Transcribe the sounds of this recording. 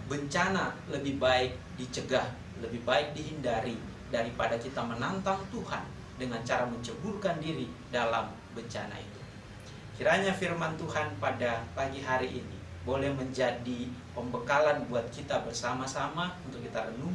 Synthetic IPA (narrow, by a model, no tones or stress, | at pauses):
bəɲt͡ʃanaləbɪhbaɪk̚ | dit͡ʃəɡah | ləbihbaɪk̚diɦindaɾi | daɾipadakit̪amənant̪aŋt̪uha̰n | dəŋant͡ʃaɾaməɲt͡ʃəburkandiɾi | dalam | bəɲt͡ʃana̰ḭt̪u̥ | kiɾaɲafirmant̪uhanpadapaɡiɦaɾiʔinḭ | bolɛhməɲd͡ʒadipəmbəkalanbuat̪̚kit̪abərsamasamaunt̪ʊkːit̪aɾənuŋ